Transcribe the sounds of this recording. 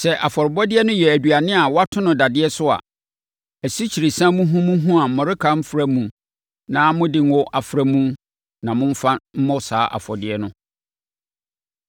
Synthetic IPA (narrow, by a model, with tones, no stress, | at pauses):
sɛ˨ʔa˨fɔ˨ɾɪ˨bɔ˦dɪ˦ɛ˦nʊ̃˦jɛ˨æ˨dɥa˨nɪ̃˦a˨wa˦tʰʊ̃˦nʊ̃˨da˨dɪ˦ɛ˦sʊ˦a̰˨ | æ˨si˦t͡ɕʰi˨ɾi˨sã˦mũ˦ɦũ˦mũ˦ɦũ˦a˨m̩˨mɔ̃˨ɾɪ˦kʰa˦m̩˦fɾa˦mũ˨ | nãː˦mʊ̃˦dɪ˨n˦wɔ˦ʔa˨fɾæ˦mũ˦ | nã˨mʊ̃˦m̩˦fa˦m̩˦mɔ̃˦sa̰ː˨˦ʔa̰˨fɔ˨dɪ˦ɛ˦nʊ̃˦